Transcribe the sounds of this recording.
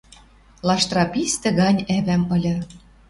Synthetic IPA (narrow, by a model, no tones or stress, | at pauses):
lɑʃt̪ɾɑpist̪ɘ̆ɣɑnʲæβæmɤ̆lʲɤ̆